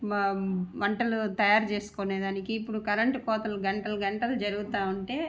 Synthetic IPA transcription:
mʋɐɳʈɐlut̪ɐjaːɾt͡ʃe̞ːsu̥koneːd̪aːnikiːpːuɽukɐɾɐɳʈkɔːt̪ɐluɡɐɳʈɐlɐɡɐɳʈɐlɐd͡ʒɐɾuɡut̪aːuɳʈe̞ː

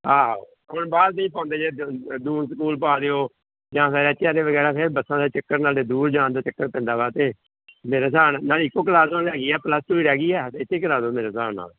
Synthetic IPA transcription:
aː | ɦʊɳbaːɾnəĩːpãːnd̪eːd͡ʒeːd̪uːnsəkuːlp̬aːd̪eːoː | d͡ʒãːpɪɾɛːt̪jaːɾeːʋəɡɛːɾaːpʰɪɾbəsːãːd̪eːt͡ʃəkːəɾnaːleːd̪uːɾd͡ʒãːnd̪aːt͡ʃəkːəɾpɪ̃nd̪aːʋaːt̪eː | meːɾaːsaːnnaːlɪkːõːk̬əlaːsõːnlɛːɡiːɛːpləst̪uːiːɾɛːɡiːɛːɪt̪ʰːeːkəlaːsoːmeːɾaːsaːna̰ːl

